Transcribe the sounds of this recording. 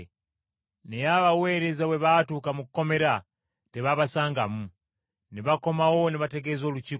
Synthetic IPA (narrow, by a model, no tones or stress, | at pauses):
nejaβawe̞ːɾe̞zawe̞βatukamukukome̞ɾa | teβaβasaːŋɡamu | neβako̞mawo̞neβate̞ɡezo̞ːlut͡ʃi